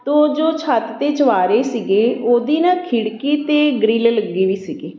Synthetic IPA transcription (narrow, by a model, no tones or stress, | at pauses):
t̪oːd͡ʒoːt͡ʃʰat̪t̪eːt͡ʃəʋaːɾeːsiɡeːʔoːd̪iːnãːkʰɪɽkiːt̪eːɡɾiːlləɡːiːʋiːsiɡeː